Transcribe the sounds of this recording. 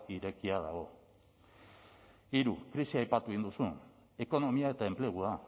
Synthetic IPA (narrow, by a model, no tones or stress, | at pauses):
iɾe̞kiaða̰ɣo̞ | iɾukɾisiajpat̪uɣind̪usun | e̞ko̞no̞miae̞t̪ae̞mple̞ɣ̞ua